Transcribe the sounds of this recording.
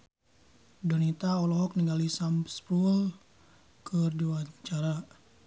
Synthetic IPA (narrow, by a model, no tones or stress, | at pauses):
donit̪aɔlɔɦɔk̚niŋɡalisampspul | kərduat͡ʃaɾa